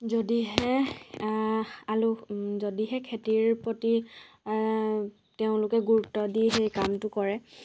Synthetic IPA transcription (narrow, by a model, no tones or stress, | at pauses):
zodiɦɛ | aluzodiɦɛkʰetiɹpɹɔti | teʊ̃lʊkɛɡuɹutːɔdiɦejkamtʊkɔɹɛ